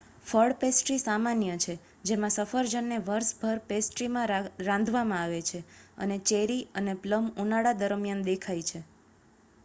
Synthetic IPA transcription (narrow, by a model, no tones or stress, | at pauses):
fəɽpesʈɾisamanjət͡ʃʰe | d͡ʒemãsəfəɾd͡ʒənːeʋəɾsbʱəɾpesʈɾimãɾãnd̪ʱʋamãaʋet͡ʃʰeə̰net͡ʃeɾiənepləmunaɽad̪əɾəmjand̪ekʰajt͡ʃʰe